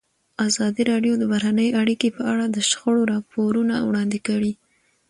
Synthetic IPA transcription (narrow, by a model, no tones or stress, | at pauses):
azɑd̪iɾɑɖjod̪əbaɾanəjʔaɽikepəaɽad̪əʃxəɽoɾɑpoɾunawɽɑnd̪ɪkəwi